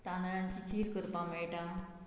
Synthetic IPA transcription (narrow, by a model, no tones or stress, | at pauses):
t̪anaɭãɲt͡ɕikʰiːlkəɾpameɭʈa